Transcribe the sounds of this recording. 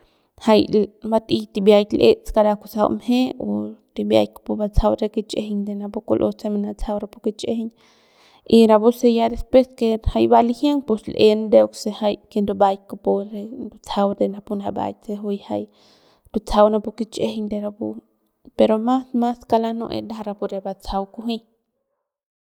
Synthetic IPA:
hajlbat̪it̪ibjajt̪lʔet͡skaɾakusawmheot̪ibja̰jkḁpubat͡sʰawɾeket͡ʃehɲd̪enapukulʔot͡seminat͡sawɾapukit͡ʃehɲ | iɾabusejad̪espweskehajbalihjeŋpuslʔend̪eoksehajkend̪ubajkopuɾend̪ut͡sʰawd̪enapunaba̰jt͡seɦujhaj | d̪ut͡sʰawnapukit͡ʃʼehiɲd̪eɾabu | peɾomasmaskalano̰ʔḛd̪aɾapuɾebat͡sʰawkuɦi

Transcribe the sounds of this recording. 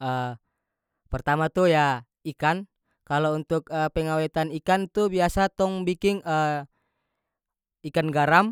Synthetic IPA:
ə | pɛrt̪amat̪uja | ikan | kalount̪ukəpɛŋawɛt̪anikant̪ubiasat̪ɔŋbikiŋə | ikanɡaɾam

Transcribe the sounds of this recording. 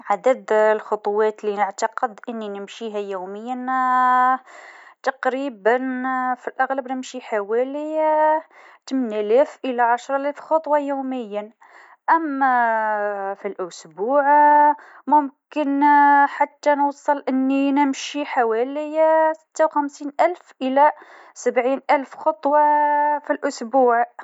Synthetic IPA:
ʕad̪əd̪lxot̪ˤwæt̪linəʕt̪ɑqəd̪ʔənːinəmʃiɦæjuməjːən | t̪ɑqɾibənfilʔaɣləbnəmʃiħawæli | t̪mənælæfʔəlæʕaʃɾˤlæfxɑt̪ˤwɑjuməjːə | ʔəmːæ | filʔʊsbuʕ | mʊmkənħat̪ːænwsˤəlʔənːinəmʃiħawælijsə̥t̪ːawxæmsinʔælfʔəlæ | səbʕinʔælfxɑt̪ˤwɑfilʔʊsbuʕ

